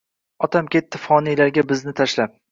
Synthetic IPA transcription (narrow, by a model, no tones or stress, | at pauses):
ɒt̪ʰamkʲe̞t̪ʰːɪfɒnijlaɾɡʲabɪznɪt̪ʰaʃlap̚